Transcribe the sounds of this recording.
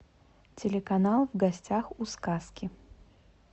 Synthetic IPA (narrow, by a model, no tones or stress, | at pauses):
tʲɪlʲɪkɐnalˠvɡɐsʲtʲaxuskaskʲɪ